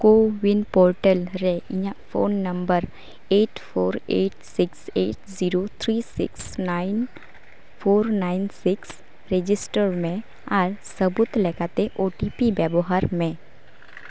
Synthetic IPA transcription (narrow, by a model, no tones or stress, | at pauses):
koːwɪnpoːɾʈəlɾɛɪ̃jãfʰo̰ːnːɐ̃mbəɾ | eːʈpʰoːɾeːʈsɪkseːʈziɾot̪ʰɾisɪ̰ksnaːɪn | pʰoːɾnaːɪnsɪks | ɾed͡ʒɪsʈəɾmẽ | aːɾsəbʊt̪lɛkat̪eʔoːʈipibɛboɦaɾmẽ